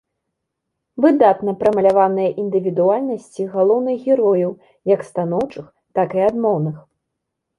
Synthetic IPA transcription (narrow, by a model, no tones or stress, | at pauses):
vɨd̪at̪nɐpɾɐmɐlʲavanɨjɐʔind̪ɨvʲid̪ualʲnɐsʲt͡sʲiɣalˠɔwnɨɣɣʲɛɾɔjɐw | jɐkst̪anɔwt͡ʂɨx | t̪akiad̪mɔwnɨx